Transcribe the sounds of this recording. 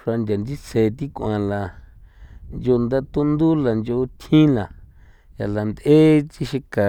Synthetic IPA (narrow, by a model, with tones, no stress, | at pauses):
ʂa˧nd̪ʲa˨nd͡ʒi˦t͡se˨t̪i˦kʷã˨la˨ | nd͡ʒo˧nd̪a˦t̪u˦nd̪u˦la˨nd͡ʒo˧t̪ʰĩ˦lã˨ | ja̰˨la˨nd̪e˦t͡ʃi˧ʃi˧ka˨